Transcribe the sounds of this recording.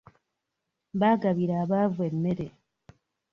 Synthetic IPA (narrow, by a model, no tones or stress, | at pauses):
βaːɡaβiɾaːβavwe̞mːe̞ɾe̞